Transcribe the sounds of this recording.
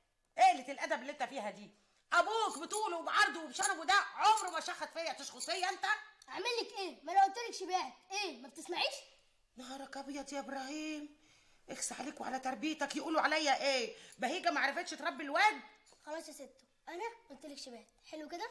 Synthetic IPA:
ʔeʔlet̪elʔæd̪æbelːiʔent̪æfiːhæd̪iː | ʔæbuːkbet̪uːlowbeʕɑɾˤd̪ˤowebeʃɑɾˤːɑfod̪æʕomɾmæʃæxæt̪fejːæt̪eʃxosˤejːæʔent̪æʔaʕmelːekʔeːmælæwt̪elekʃibeːʕet̪̚ʔeːmæbt̪esmaʕiːʃ | nɑɦɑɾˤɑkæbejɑd̪iːʔebɾˤɑhiːm | ʔexsaʕaleːkweʕa̰læt̪ɑɾˤbiːt̪ækjeʔuːloʕalæjːæʔeːbæhiːɡæmæʕɾˤefet̪ʃet̪ɾˤɑbːelwæʔd̪ | xɑlɑːsˤæset̪ːo̥ | ʔænæwet̪ːelekʃebeːʕt̪ħelweked̪æ

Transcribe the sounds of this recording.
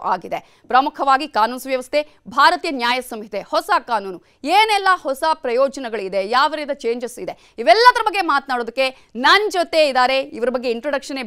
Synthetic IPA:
a̰ːɡid̪e | pɾɐmukʰɐʋaːɡikaːnuːnsʋjɐʋɐst̪ʰe | bʱaːɾɐt̪ijɐnjaːjɐsɐmɦit̪ʰehɔsakaːnuːnu | eːnɛlːɐhɔsapɾɐjɔːd͡ʒɐnɐɡɐɭid̪ejaːʋɐɾiːd̪ɐt͡ʃe̞ːɲd͡ʒesid̪e̞ | iʋɛlːɐd̪ɐɾɐbɐɡːe̞maːt̪naːɽoːd̪ɐkːe̞ | nɐnd͡ʒot̪e̞id̪aːɾe̞iʋɐɾɐbɐɡːe̞iɳʈɾoɖɐkʂɐne

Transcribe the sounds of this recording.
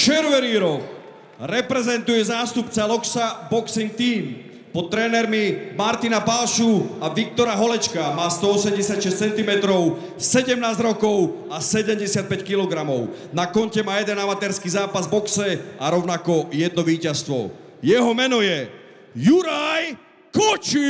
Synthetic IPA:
t͡ʃɛɾʋɛniːɾɔx | ɾɛpɾɛzɛnt̪ujɛzaːst̪upt͡salɔksabɔksiŋk̚t̪iːm | pɔt̪ːɾɛːnɛɾmimaɾt̪inapalʃuaʋik̚t̪ɔɾaɦɔlɛt͡ʃkamaːst̪ɔɔsɛmɟɛsɪacʃɛst͡sɛnt̪imɛt̪ɾɔʊ | sɛɟɛmnaːzɟɾɔkɔʊ | asɛɟɛmɟɛsɪat̪̚pɛckilɔɡɾamɔʊnakɔncɛmaːjɛd̪ɛnamat̪ɛɾskiːzaːpazbɔksɛʔaɾɔʊnakɔjɛd̪̚nɔʋiːcast̪ʋɔ̰ | jɛɦɔmɛnɔjɛ | juɾaj | kɔt͡ʃi

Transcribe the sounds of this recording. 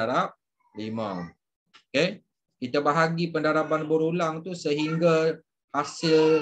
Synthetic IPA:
aɾap̚ | limã̰ | oke | kit̪abaɦaɡipəndaɾapanbəɾulaŋt̪usəɦiŋɡa | hasɪl

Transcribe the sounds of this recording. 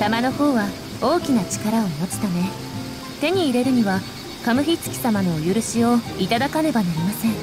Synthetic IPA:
t̪amano̞ho̞ːβa | o̞ːkʲinat͡ɕi̥kaɾaoino̞t͡si̥t̪ane̞ | t̪e̞ɲ̟iːɾe̞ɾɯ̟ɲ̟iβa | kamɯ̟çʲit͡sɨ̥kʲi̥samano̞ːjɯɾɯ̟ɕio̞it̪ad̪akane̞banaɾʲimasẽ̞ɴ

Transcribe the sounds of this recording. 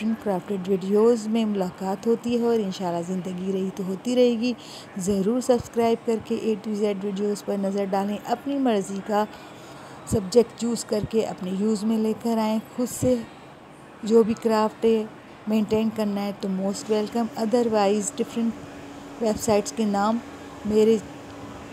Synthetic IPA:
ɪɾə̃ɳʈkɾaːfʈeɖʋɪɖioːzmẽmʊlaːkaːt̪ɦoːt̪iɦɛɔːɾɪ̃nʃaːlːazɪ̃nd̪əɡiɾɐɦit̪oɦoːt̪iɾɐɦeːɡi | zɐɾuːɾsɐbskɾaːɪb̚kɐɾkeʔeːʈiizeːɖʋɪɖijoːzpɐɾnɐzəɾɖaːlẽʔɐpnimɐɾzika | sɐbd͡ʒek̚ʈjuːzkɐɾkeʔɐ̰pnejuːzmẽleːkəɾaːẽxʊd̪se | d͡ʒoːbʱikɾaːfʈɦɛ | mẽːɳʈẽːnkɐɾnaɦɛʈomoːsʈʋɛlkəmɐd̪əɾʋaːɪzɖɪfɾə̃ɳʈʋeːbsaːɪʈskenaːmː | eːɾe

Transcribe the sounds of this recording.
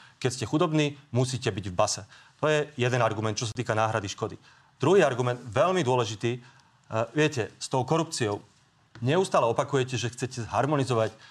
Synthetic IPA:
kɛcscɛxud̪ɔbniːmusiːcɛbiɟvbasɛt̪ɔjɛjɛd̪ɛnaɾɡumɛnt̪̚t͡ʃɔs̬at̪iːkanaːɦɾad̪iʃkɔd̪i | d̪̥ɾuɦiːaɾɡumɛnd̪ʋɛlmid̪ʊɔlɛʒit̪iː | ʋɪɛcɛst̪ɔʊkɔɾup̚t͡siɔʊ | ɲɛust̪aːlɛɔpakujɛcɛʒɛxt͡sɛcɛzɦaɾmɔnizɔʋac

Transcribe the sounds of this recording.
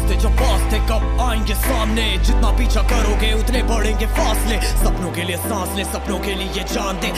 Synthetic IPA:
t̪ed͡ʒɐ̃paːst̪ekəaːẽŋɡesaːmned͡ʒɪt̪napiːt͡ʃʰakɐɾoːɡeʊt̪nebəɽẽːɡefaːslesɐbnõːkeliesãːslesɐbnõːkelɪed͡ʒaːnt̪eː

